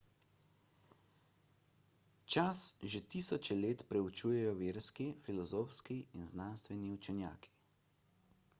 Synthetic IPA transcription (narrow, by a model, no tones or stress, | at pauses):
t͡ʃasʒet̪isɔt͡ʃɛleːt̪pɾɛut͡ʃuːjɛjɔʋeːɾskifilɔzoːfskiinznanst̪ʋɛniut͡ʃɛnja̰ːkʰi̥